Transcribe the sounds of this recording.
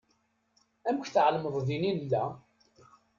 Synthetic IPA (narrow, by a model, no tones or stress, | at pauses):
æmçθʕlməðˤðinilːæ